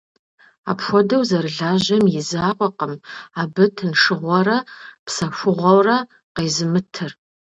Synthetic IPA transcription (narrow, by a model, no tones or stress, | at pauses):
a̰ːpxʷɔdɐwzɐrɨɮaːʑɐmjɪzaːqʷʼɔqəmaːbɨtʰɨnʂɨʁʷɔrɐpsɐfʷʊʁʷɔwrɐ | qejzɨmɨtʰɨr